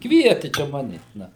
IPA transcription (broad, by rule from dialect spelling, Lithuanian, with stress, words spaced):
ˈkʋʲiɛtʲɪ t͡ʃʲɛ ˈmɑːnʲɛ ˈnɐ